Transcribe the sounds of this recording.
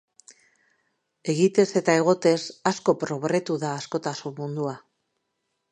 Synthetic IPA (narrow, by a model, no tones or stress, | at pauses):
e̞ɣit̪e̞se̞t̪ae̞ɣ̞o̞t̪e̞sasko̞pɾo̞ɣɾe̞t̪uðaːsko̞t̪asummund̪ua